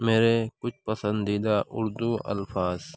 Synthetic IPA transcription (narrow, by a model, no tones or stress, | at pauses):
meːɾekʊt͡ʃʰpəsə̃nd̪iːd̪aːʔʊɾd̪uːʔɐ̰lfʰaːz